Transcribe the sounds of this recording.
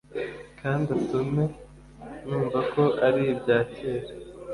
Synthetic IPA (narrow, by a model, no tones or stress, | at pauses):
kʰaːndutume̞ | nuːmvako̞ʔaɾiibɟaːceːɾe